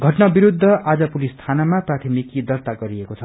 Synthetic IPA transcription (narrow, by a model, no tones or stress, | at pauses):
ɡʱʌʈnabiɾud̪ʱːʌʔad͡zʌpulist̪ʰanamaprat̪ʰimikid̪ʌrt̪aɡʌɾiekot͡sʰʌ